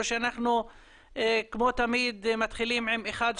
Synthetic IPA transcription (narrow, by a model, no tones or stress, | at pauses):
ʃeanaχnu | ekmo̞t̪amid̪mat̪χilimʕimeχad̪